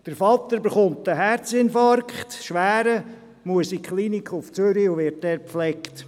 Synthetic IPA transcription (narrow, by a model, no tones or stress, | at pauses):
d̥əɾfɑt̪ːəɾbeχʊntdəɦæɾt͡sɪnfɑɾkχt̪ʃʋæːɾə | muəsikχlinikχʊft͡søɾiuʋɪɾt̚dɛːɾpflɛkt